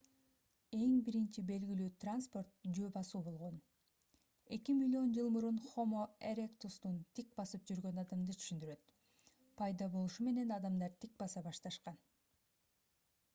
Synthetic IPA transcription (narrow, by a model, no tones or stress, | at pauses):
e̞ŋbiɾint͡ʃibe̞lɡilyːt̪ranspo̞rt̪̚d͡ʒøːbɑsuːbo̞lˠʁo̞n | e̞̰kimilʲːio̞nd͡ʒɯlˠmuɾunχo̞moeɾʲekt̪ust̪unt̪ʰik̚bɑsɯp̚d͡ʒyɾɡø̞nɑd̪ɑmd̪ɯt̪ʰy̥ʃynd̪yɾø̞t̪ | pʰɑjd̪ɑbo̞lˠuʃume̞ne̞nɑd̪ɑmd̪ɑɾt̪ʰik̚bɑsɑbɑʃt̪ɑʃqɑn